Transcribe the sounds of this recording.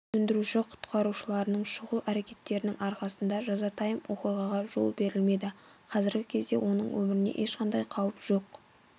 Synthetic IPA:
ɵnd̪ɪɾuʃɪqʰʊ̥t̪qɑɾuʃəlˠɑɾənəɴʃʊʁəlˠæɾe̞kʲe̞t̪ːe̞ɾɪnɪŋɑɾqɑsənd̪ɑʒɑzɑt̪ʰɑjəmwo̞qijʁɑʁɑʒo̞̰lˠbe̞ɾɪlme̞d̪ɪqʰɑzɪɾɡʲɪkʲʰe̞zd̪e̞̰wʔo̞nəɴwɵ̰mɪɾɪnḛʔe̞ʃqɑnd̪ɑjqʰɑwəpʒ̥o̞q

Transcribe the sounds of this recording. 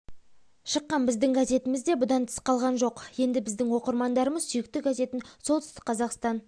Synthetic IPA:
ʃəqːɑnbɪzd̪ɪŋɡaze̞t̪ɪmɪzd̪e̞bʊd̪ɑnt̪ʰə̥sqɑlˠʁɑnʒo̞qje̞nd̪ɪbɪzd̪ɪŋwo̞qəɾmɑnd̪ɑɾəməzsʏjɪk̚t̪ɪɡaze̞t̪ɪnsolˠt̪ʏ̥st̪ɪ̥k̚qʰɑzɑqst̪ɑn

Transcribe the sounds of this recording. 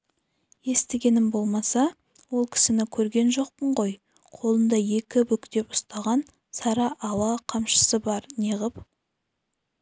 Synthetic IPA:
je̞st̪eɡʲe̞nɪmbo̞lˠmɑsɑ | wo̞lˠkʲʰɪ̥sɪnɪkʲʰɵɾɡʲe̞nʒo̞q̚pəɴqo̞j | qʰo̞lˠənd̪ɑje̞kʲɪbʏkʲd̪e̞pʊ̥st̪ɑʁɑn | sɑɾɑʔːlˠɑqʰɑmʃə̥səbɑɾneʁəp

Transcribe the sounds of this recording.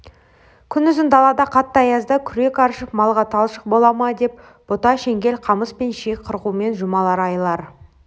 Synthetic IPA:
kʲʰʏnʏzɪnd̪ɑlˠɑd̪ɑqʰɑt̪ːɑjɑzd̪əkʲʰʏɾe̞kɑɾʃəpmɑlˠʁɑt̪ʰɑlˠʃə̥q̚bo̞lˠɑmɑd̪e̞p̚ | b̥ot̪ɑʃe̞ŋɡʲe̞lqʰɑməspenʃekqʰəɾʁume̞nʒʊmɑlˠɑɾɑjlˠɑɾ

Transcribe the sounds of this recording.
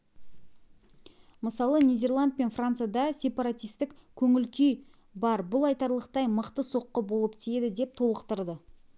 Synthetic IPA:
məsɑlˠənijd̪e̞rlˠand̪̚pe̞nfrant̪sɨjad̪ɑsʲe̞paɾat̪ijst̪ɪkkʲʰɵŋɪlkʲʰej | bɑɾbʊlˠɑjt̪ɑɾlˠəqt̪ɑjməqt̪əso̞qːəbolˠəpt̪ʰijed̪ɪd̪e̞p̚t̪ʰo̞lˠəqt̪əɾd̪ə

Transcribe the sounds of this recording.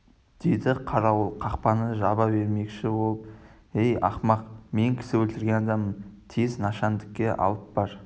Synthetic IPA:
d̪̥ejd̪ɪqʰɑɾɑwəlˠqʰɑqpɑnəʒɑbɑbe̞ɾme̞kʃɪbo̞lˠəp | ejɑ̰χmɑqme̞ŋkʲʰɪ̥sɪwɵlt̪ɪɾɡʲe̞nɑd̪ɑmənt̪ʰeznɑʃɑnd̪ɪkʲːe̞ʔɑ̰lˠəp̚bɑɾ

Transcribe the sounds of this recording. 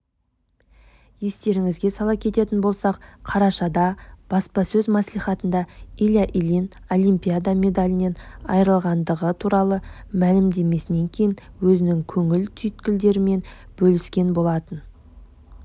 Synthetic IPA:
je̞st̪e̞ɾɪŋɪzɡʲe̞sɑlˠɑp̚kʲʰe̞t̪e̞t̪ɪnbo̞lˠsɑqqʰɑɾɑʃɑd̪ɑb̥ɑspɑsɵzmɑslijχɑt̪ənd̪ɑilʲaʔilin | o̞lˠimpʲijad̪ame̞d̪alʲɪne̞nɑ̰jɾəlˠʁɑnd̪əʁət̪ʰuɾɑlˠəmælɪmd̪e̞me̞sɪne̞ŋkʲʰe̞jɪn | wɵzɪnɪŋkʲʰɵŋɪlt̪ʰʏjt̪kʲɪld̪e̞ɾɪme̞nb̥ɵlɪskʲe̞nbo̞lˠɑt̪ən

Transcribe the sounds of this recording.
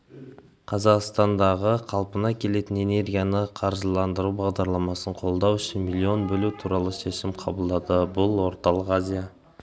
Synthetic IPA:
qʰɑzɑqst̪ɑnd̪ɑʁəqʰɑlˠpənɑkʲʰe̞le̞t̪ɪne̞ne̞rɡʲijanəqʰɑɾzəlˠɑnd̪əɾubɑʁd̪ɑɾlˠɑmɑsəɴqʰo̞lˠd̪ɑwʏʃɪnmilʲˠio̞nbɵlut̪ʰuɾɑlˠəʃe̞ʃɪmqʰɑbəlˠd̪ɑd̪əbʊlˠwo̞ɾt̪ɑlˠəqazʲija

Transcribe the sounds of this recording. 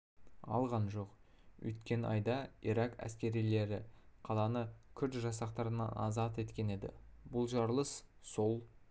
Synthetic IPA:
ɑ̰lˠʁɑnʒo̞qɵ̰jt̪kʲe̞nʔɑjd̪ɑiɾɑkæ̰skʲe̞ɾijle̞ɾɪqʰɑlˠɑnəkʲʰʏɾt̪ʒɑs̬ɑqt̪ɑɾənɑ̰nɑ̰zɑt̪e̞t̪kʲe̞ne̞d̪ɪ̰bʊlˠʒɑɾlˠəsso̞lˠ

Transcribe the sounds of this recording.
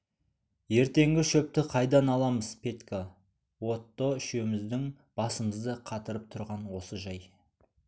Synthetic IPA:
je̞ɾt̪e̞ŋɡʲɪʃɵp̚t̪ɪqʰɑjd̪ɑnɑlˠɑməzpʰe̞t̪ka | wo̞t̪ːoʏʃemɪzd̪ɪŋ | b̥ɑsəməzd̪əqʰɑt̪əɾəp̚t̪ʰʊɾʁɑnwo̞səʒɑj

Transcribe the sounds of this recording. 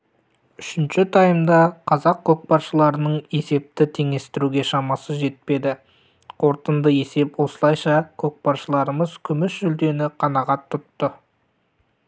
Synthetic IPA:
ʏʃɪnʃɪt̪ʰɑjəmd̪ɑqʰɑzɑqkʲʰːɵk̚pɑɾʃəlˠɑɾənəɴe̞se̞p̚t̪ɪt̪ʰe̞ŋe̞st̪ɪɾuɡʲe̞ʃɑmɑsəʒe̞t̪̚pe̞d̪ɪ | qʰo̞ɾt̪ənd̪əe̞se̞pwo̞səlˠɑjʃɑkʲʰok̚pɑɾʃəlˠɑɾəməz̥kʲʰʏmɪsʒʏld̪e̞nɪqʰɑnɑʁɑt̪ʰːʊt̪ːə

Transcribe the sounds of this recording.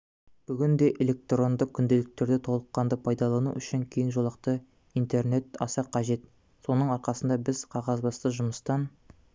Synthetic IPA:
b̥ʏɡʲɪnd̪e̞ʔelʲe̞k̚t̪ro̞nd̪əkʲʰʏnd̪e̞lɪk̚t̪e̞ɾd̪et̪ʰo̞lˠəqːɑnd̪əpʰɑjd̪ɑlˠɑnṵʏʃɪŋkʲʰe̞jɪnʒolˠɑq̚t̪ə | ijnt̪e̞rne̞t̪ɑ̰sɑqʰɑʒe̞t̪ | so̞nəɴɑɾqɑsənd̪ɑbɪzqʰɑʁɑzbɑst̪əʒʊməst̪ɑn

